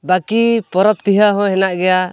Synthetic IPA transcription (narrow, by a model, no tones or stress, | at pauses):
bakipɔɾɔp̚t̪iɦaɦɔ̃ɦɛnaʔɡɛja